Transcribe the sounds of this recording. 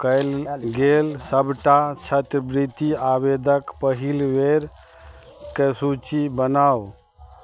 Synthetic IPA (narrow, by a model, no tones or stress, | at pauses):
kəɪlɡelsəbʱʈat͡ʃʰət̪ɾəbɾit̪iabed̪ʱəkpəɦilʋeɾ | kesut͡ʃibənaw